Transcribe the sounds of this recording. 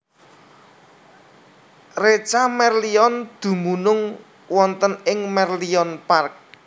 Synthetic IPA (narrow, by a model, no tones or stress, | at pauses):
ret͡ʃamɛrliɔnd̪̥ṳmunʊŋ | wɔnt̪ənɪŋmɛrliɔnpark̚